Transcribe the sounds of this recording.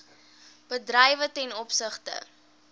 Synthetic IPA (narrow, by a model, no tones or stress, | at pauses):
b̥ədrəjvətɛnɔpsəχtə̰